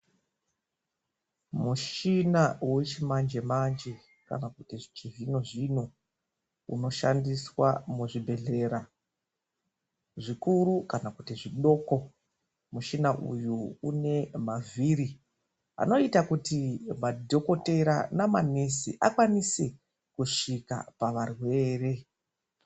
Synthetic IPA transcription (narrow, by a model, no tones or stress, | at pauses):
muʃinawet͡ʃimand͡ʒe̞mand͡ʒe | ka̰nakutiʐit͡ʃivinoʐinu | ṵno̞ʃandiswa̰muʐibʱe̞ɮe̞ːɾa | ʐikuɾukanakutiʐiɗo̞ko̞ | muʃinaʔṵjuune̞mavʱiɾi | a̰no̞itakutimadʱo̞ko̞te̞ɾanamane̞sḭʔakwanise | kuʂika̰paʋarwe̞ːre̞